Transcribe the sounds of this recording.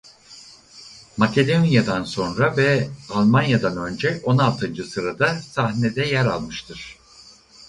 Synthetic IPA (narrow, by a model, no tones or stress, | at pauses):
macʰe̞d̪onjad̪anso̞nɾavɛalˠmanjad̪anø̞nd͡ʒɛo̞nalˠt̪ʰɯnd͡ʒɯsɯɾad̪asahned̪ɛjæɾa̰lˠmɯʃt̪ʰɯɾ̝̥